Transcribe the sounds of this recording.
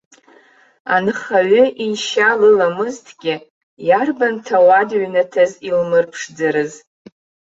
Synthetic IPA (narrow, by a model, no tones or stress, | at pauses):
a̰nɨχaɥʏʔinʃalɨlamɨztʰɡʲɪ | jarbantʰawadɥnatʰazilmɨrpʰʂd͡zaɾɨz